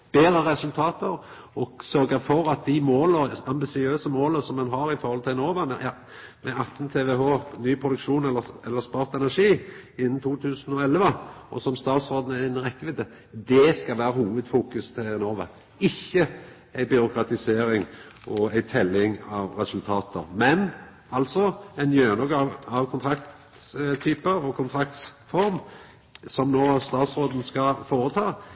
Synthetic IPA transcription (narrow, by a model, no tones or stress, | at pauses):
b̥eːɾəɾɛsʉlt̪ʰɑːt̪əɾ | ɔɡsœɾɡəfɔɾɑt̪̚d̪ɪmoːləɑmbɪsɪøːsəmoːləsɔmːɛnɦɑɾɪfɔɾhɔlt̪ʰɪlnoːʋɑnjɑ | mɛɑt̪nt̪ʰeːʋɛɦoːnyːpʰɾʊd̪ʉkʂuːnɛlːəɛlːəspɑːɾt̪ɛnæʂiːɪnːən̩t̪ʰuːt̪ʰʉːsənɔɛlʋəʔɔ̰sɔmst̪ɑːt̪sʁoːd̪n̩ɛɪnʁɛkːəʋɪd̪ə | d̪ɛskɑʋæːɾəhuːʋəd̪fuːkʉst̪ʰɪnoːʋɑ | ɪçːə | æɪbʏɾʊkɾɑt̪ɪseːɾɪŋʔɔæɪt̪ʰɛlːɪŋɑʋɾɛsʉlt̪ʰɑːt̪əɾmɛn | ɑlt̪sɔɛnjøːnɔɡɑʋɑʋkʰʊnt̪ʰɾɑkt̪ | t̪ʰyːpəɾɔkʰʊnt̪ʰɾɑk̚t̪sfɔɾm | sɔmnoːst̪ɑːt̪sɾoːd̪n̩skɑfoːɾət̪ʰɑː